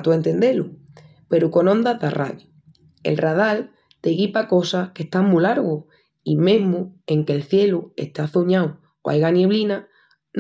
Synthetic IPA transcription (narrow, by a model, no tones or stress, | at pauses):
t̪ue̞nt̪e̞nd̪e̞lu | pe̞ɾuko̞nõ̞nd̪aðarʔa̰ɣi | e̞̰lrað̞al | t̪e̞ɣipako̞sahke̞ht̪aŋmulaɾɣo | imẽ̞ɦmue̞ŋke̞lθje̞lue̞̰ht̪aθoɲaw | o̰ʔa̰jɣanje̞β̞lina | n